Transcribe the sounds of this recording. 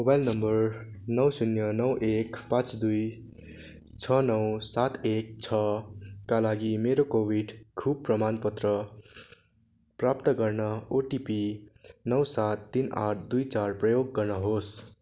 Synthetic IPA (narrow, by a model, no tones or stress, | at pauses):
mobajlnʌmbʌrnʌwsunjʌnʌwʔekpãt͡sd̪uj | t͡sʰʌnʌwsat̪ek̚t͡sʰʌkalaɡimeɾokobiɖkʰub̚prʌmanpʌt̪rʌ | prap̚t̪ʌɡʌrnʌoʈipinʌwsat̪ːina̰ʈʰd̪ujt͡sarprʌjoɡːʌrnʌɦos